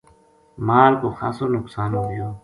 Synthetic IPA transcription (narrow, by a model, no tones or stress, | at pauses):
maːlkoxa̰ːsoːnʊksaːnoijoː